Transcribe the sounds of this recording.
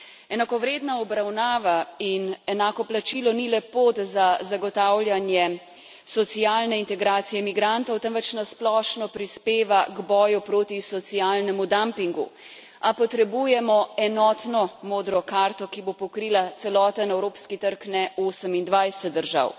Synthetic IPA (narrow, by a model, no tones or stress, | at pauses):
ɛnakɔʋɾeːd̪naɔbɾawnaːʋainɛnaːkɔplat͡ʃilɔnilɛpoːt̪zazaɡɔt̪aːwlʲjanjɛ | sɔt̪siaːlnɛint̪ɛɡɾaːt̪sijɛmiɡɾant̪ɔwt̪ɛmʋɛt͡ʃnasplɔːʃnɔpɾispeːʋaɡbɔːjupɾoːt̪isɔt̪sijaːlnɛmud̪ampiŋɡṵ | apɔt̪ɾɛbujɛmɔɛnɔt̪nɔmoːd̪ɾɔkaɾt̪ɔkibopɔkɾiːlat̪sɛlɔːt̪ənɛwɾoːpskit̪əɾknɛoːsəmind̪ʋajsɛt̪̚d̪əɾʒa̰w